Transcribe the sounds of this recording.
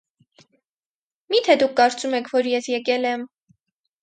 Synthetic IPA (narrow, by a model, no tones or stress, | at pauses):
mit̪ʰɛd̪ukʰːɑɾt͡sumɛkʰvɔɾjɛsjɛkɛlɛm